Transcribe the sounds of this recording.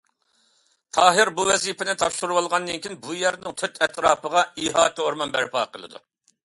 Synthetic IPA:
t̪ʰɑːɦɪɾbuwɛzipʰɪnɪt̪ʰɑpʃuɾuwolˠʁɑnd̪ɨnkʲʰinbujɛɾnɪŋt̪ʰøt̪ʰɛt̪ʰɾɑːpəʁɑiɦɑːt̪əoɾmɑnbæ̰ɾpɑ̰ːqʰəlˠɨ̰d̪ṵ

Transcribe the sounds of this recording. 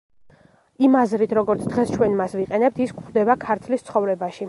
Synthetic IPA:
imazɾit̪ʰɾɔɡɔɾt̪sʰd̪ʁɛst͡ʃʰwɛnmasviqʼɛnɛp̚t̪ʰiskχd̪ɛbakʰaɾt̪ʰlist̪sʰχɔvɾɛbaʃi

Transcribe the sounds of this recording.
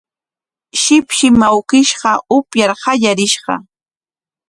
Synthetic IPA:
ʃɪpʃɪmawkɪʃɢɑʊpjaɾhɑʎaɾɪʃɢɑ̰

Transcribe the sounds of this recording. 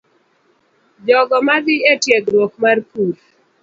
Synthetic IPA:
d͡ʒɔɡɔmad̪ɪetjɛɡɾwokmarkul

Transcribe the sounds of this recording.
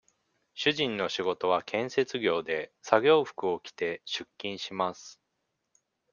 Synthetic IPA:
ɕɨʑĩnːo̞ɕiɡo̞t̪o̞βakʰẽ̞ɰ̃se̞t͡sɨɡʲo̞ːd̪e̞saɡʲo̞ːɸɯ̥kɯ̟o̞kʲi̥t̪e̞ɕɨkʲːĩɰ̃ɕimasɨ̥

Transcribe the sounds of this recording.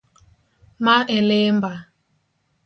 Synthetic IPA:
maʔelemba

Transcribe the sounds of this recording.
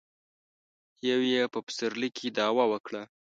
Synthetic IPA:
jawjepəpə̥səɾlikʰid̪ɑwɑwəkɽa

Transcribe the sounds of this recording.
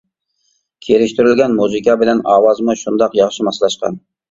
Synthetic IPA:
kʲʰeɾɪʃt̪yɾɪlɡʲɛnmuzɨkʲɑbɪlɛnɑːwɑzmʊʃund̪ɑqjɑχʃimɑsɨlˠɑʃqʰɑ̰n

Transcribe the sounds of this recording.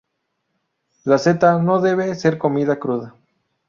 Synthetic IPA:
lase̞t̪ano̞ðe̞βe̞se̞ɾko̞miðakɾuða

